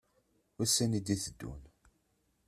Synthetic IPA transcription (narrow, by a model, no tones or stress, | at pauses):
wæsːænid̪iθəd̪ːṵn